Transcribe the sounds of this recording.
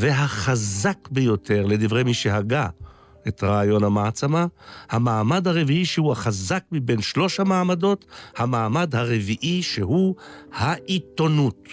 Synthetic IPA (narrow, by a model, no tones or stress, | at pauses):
veɦaχazakbejo̞tʰe̞ʁle̞divʁe̞jmiʃeɦaɡa | etʁaːjo̞namaːt͡samahamaːmadhaʁe̞viiʃehuaχazakmibe̞nʃlo̞ʃamaːmado̞thamaːmadhaʁe̞viʔiʃeɦuhaʔito̞nut